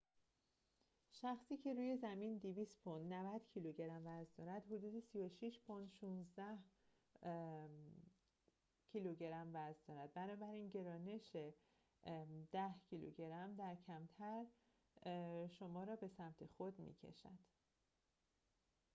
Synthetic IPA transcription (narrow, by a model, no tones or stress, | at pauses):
ʃæxsiːcʰe̞ɾuːje̞zæmind̪iviːst̪pʰond̪nævæd̪̥cʰiluɟe̞ɾæmvæzd̪ɒːɾæd̪hod̪uːd̪esijoʃiʃpʰond̪ʃuːnzd̪æh | cʰiluɟe̞ɾæmvæzd̪ɒːɾæd̪̚bænɒːbæɾiːnɟe̞ɾɒːne̞ʃe | d̪̥æhcʰilṵɟe̞ɾæmd̪æɾcʰæmt̪ʰæɾ | ʃomɒːɾɒːbe̞sæmt̪ʰe̞xod̪mḭːcʰḛʃæ̰d̪̥